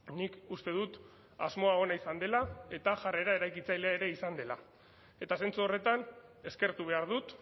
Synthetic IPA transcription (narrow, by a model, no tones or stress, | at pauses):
nikust̪e̞ðut̪ | azmo̞ao̞naisand̪e̞lae̞t̪aʝare̞ɾae̞ɾajkit͡sajleaeɾe̞isand̪e̞la̰ | e̞t̪ase̞nt͡suo̞re̞t̪ane̞ske̞ɾt̪uβ̞e̞aɾð̞ut̪